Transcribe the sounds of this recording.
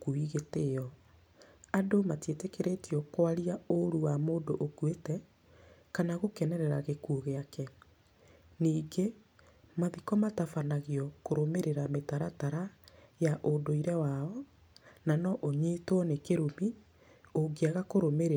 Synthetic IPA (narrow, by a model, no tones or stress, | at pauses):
kuiɣeteɔ | adomatietekeɾetiɔkwaɾiaoɾuwamoːndoʔokwetɛ | kanaɣokɛnɛɾɛɾaɣekuɣeakɛ | niːɡe | maðikɔmatafanaɣiɔkoɾomeɾeɾametaɾataɾajaʔodoiɾɛwaɔ | nanɔʔoɲetwɔnekeɾomi | oɡiaɣakoɾomeɾe